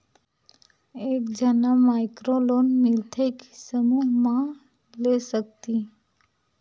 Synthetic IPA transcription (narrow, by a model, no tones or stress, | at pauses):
ekd͡ʒənamaɪkɾolonmɪlt̪ʰeki̥səmuɦmã | lesək̚t̪i